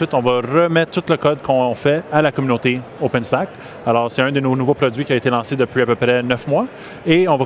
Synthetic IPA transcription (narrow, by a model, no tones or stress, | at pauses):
ɥɪt̪ɔ̃vaʁəmɛt̪t̪ːut̪ləkɔd̪̚kɔ̃ɔ̃fɛalakɔmynot̪eopɛnst̪ak | alɔːʁsɛɛ̃d̪ənonuvopʁɔdd͡zɥikʲiaet̪elɑ̃sed̪əpɥiapøpʁɛnœfmwa | eɔ̃va